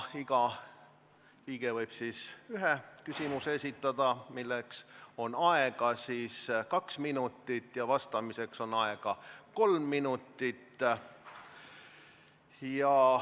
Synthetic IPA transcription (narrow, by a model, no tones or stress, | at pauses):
iɡ̥ɑ | piːɡ̥evɤjb̥siːsyɦekysimusesʲit̪ːˑɑd̪̥ɑmilːekso̞nɑeɡ̥ɑsiːskɑksminut̪ːˑit̪ːˑjɑvɑst̪ɑmise̞kso̞nɑeɡ̥ɑko̞lmːinut̪ːˑit̪ːˑ | jɑ